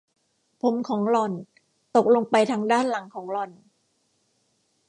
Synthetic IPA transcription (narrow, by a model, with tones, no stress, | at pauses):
pʰo˩˦mkʰɔː˩˦ŋlɔ˧˩n | t̪o˨˩k̚lo˧ŋpa˧jt̪ʰaː˧ŋdaː˥˩nla˩˦ŋkʰɔː˩˦ŋlɔ˧n